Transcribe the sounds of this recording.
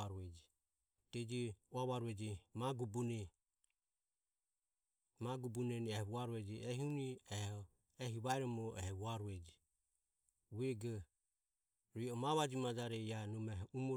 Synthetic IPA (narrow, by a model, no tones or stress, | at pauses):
aɾuɛd͡ʒi | t̪ɛd͡ʒiuaβaɾuɛd͡ʒimaɡubunɛ | maɡubunɛniɛhβuaɾuɛd͡ʒiɛɦiuniɛhɔ | ɛɦiβaɛɾɔmɔʔɛhɛβuaɾuɛd͡ʒi | wɛɡɔ | ɾiɔmaβad͡ʒimad͡ʒaɾɛianumɛhumɔ